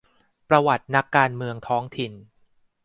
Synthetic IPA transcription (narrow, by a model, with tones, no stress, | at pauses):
pɾa˧wa˨˩t̪̚na˦˥kːaː˧nmɯ˧əŋt̪ʰɔː˦˥ŋt̪ʰi˨˩n